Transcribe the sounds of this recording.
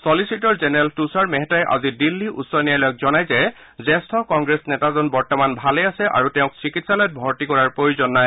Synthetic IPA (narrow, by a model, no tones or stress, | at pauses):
sɔlisitɔɹzɛnɛɹaltusaɹmɛɦɛtajʔa̰zidilːiʔṵtsɔnijalɔjɔk̚zɔnajzɛ | zɛstʰɔkɔŋɡɹesnɛtazɔnbɔɹtɔmanbʱalɛjasɛʔa̰ɹutɛʊ̃k̚sikitsalɔjt̚bʱɔɹtikɔɹaɹpɹojuzɔnːaj